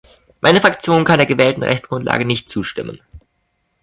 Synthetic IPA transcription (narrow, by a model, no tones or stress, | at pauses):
ma̰ɪnəfʁ̥akt͡sjoːnkʰandeːɐɡəvɛːltn̩ʁɛ̰çt͡sɡ̥ʁʊntla̰ːɡənɪçtt͡suːʃtɪmə̰n